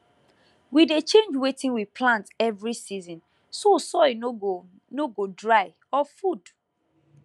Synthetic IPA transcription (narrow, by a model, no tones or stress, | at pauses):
widet͡ʃẽnd͡ʒwetĩnwipʰlãntɛvɹisizɔ̃n | sosɔ | noɡodɹaɪ | ɔfud